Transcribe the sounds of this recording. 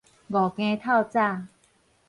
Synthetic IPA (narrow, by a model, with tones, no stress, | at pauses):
ɡɔ˨˩kẽ˧t̪ʰa˥˧˨wt͡sa˥˧˨